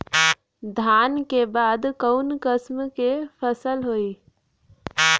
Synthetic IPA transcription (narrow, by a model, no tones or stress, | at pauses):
d̪ʱaːnkebaːd̪kəʊnkəsmkepʰəsəlɦoːiː